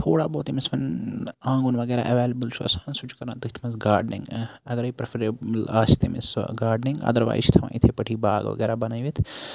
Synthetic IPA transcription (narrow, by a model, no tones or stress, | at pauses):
t̪ʰoːɽaːboːt̪imɪsʋɐnãːŋɡunʋɐɡɛːɾa̰ːʔɛʋeːlɐbəlt͡ʃʰuɐ̰saːnsʊt͡ʃʰkɐɾãːt̪ɐkʰt̪ʰmɐnsɡaːɾɖnɪ̰̃ŋɡɐɡɐɾɐipɾɐfɾeːbəlaːst̪emɪ̰sɡaːɾɖnɪŋɡɐ̰d̪ɐɾʋa̰ːjit͡ʃʰt̪ʰɐʋã̰ːit̪ʰepɐʈʰiːbaːɡʋɐ̰ɡɛːɾabɐnaːiʋit̪ʰ